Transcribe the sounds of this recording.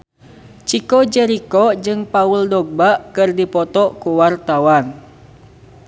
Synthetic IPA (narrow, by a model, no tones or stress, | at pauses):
t͡ʃikɔd͡ʒɛɾikɔd͡ʒɨŋpauldɔɡ̚baʔkɨrdipɔt̪ɔʔkuwart̪awan